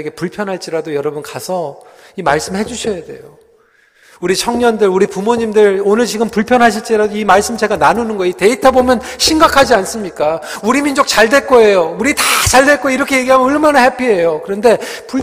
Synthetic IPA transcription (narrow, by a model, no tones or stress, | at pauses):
ɡe̞puɭpʰjʌnɦaɭt͡ɕ͈iɾadojʌɾʌbunkasʰʌ | imaɭs͈ɯmhe̞d͡ʑuɕʰʌjade̞̰jo | uɾit͡ɕʰʌŋɲʌndɯɾuɾipumoɲimdɯɭonɯɭt͡ɕiɡɯmpuɭpʰjʌnɦaɕ̬ʰiɭt͡ɕ͈iɾadoimaɭs͈ɯmt͡ɕe̞ɡananunɯnɡʌite̞itʰabomjʌn | ɕʰimɡakʰad͡ʑians͈ɯmɲik͈a | uɾimind͡ʑok̚t͡ɕaɭdwe̞k͈oe̞jouɾitat͡ɕaɭdwe̞k͈oiɾʌkʰe̞je̞ɡiɦamʌoɭmanaɦepʰiɦe̞jokɯɾʌnde̞ | pu